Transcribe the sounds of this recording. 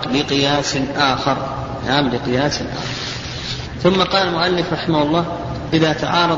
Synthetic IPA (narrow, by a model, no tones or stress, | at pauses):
lɪqɪjaːsʔaːxɑɾˤ | nʔaːmlɪqɪjaːsɪlʔa̰ːxɑɾɾˤ | θʊmːaqɑːlalmʊʔalːɪfɾˤɑħɪmahʊlˤːɑː | ʔɪðat̪aʕɑːɾˤɑ